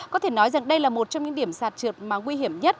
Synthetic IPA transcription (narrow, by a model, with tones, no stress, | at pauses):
kɔ˨˦t̪ʰe˧˩nɔ˨˦jza˨˩ŋɗə˧jlaː˨˩mo˨˩t̚t͡ɕɔ˧wŋ͡mɲɨ̰˧˥ŋɗi˧˩əmsaː˨˩t̚t͡ɕɨ˨˩t̚maː˨˩ŋwi˧ɦi˧˩əmɲə˦˥t̚